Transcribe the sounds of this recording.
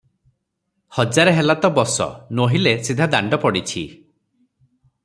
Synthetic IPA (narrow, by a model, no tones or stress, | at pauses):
hɔd͡ʒaɾeɦelat̪ɔbɔsɔ̰noɦilesid̪ʱad̪aɳɖɔpɔɽit͡ʃʰḭ